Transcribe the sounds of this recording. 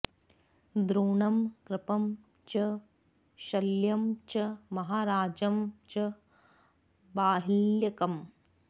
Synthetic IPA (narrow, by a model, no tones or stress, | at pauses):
d̪ɾuːɳɐmkɾɪpɐm | t͡ʃɐ | ʃɐljɐmt͡ʃɐmɐɦaːɾaːd͡ʒɐmt͡ʃɐ | baːɦiljɐkɐm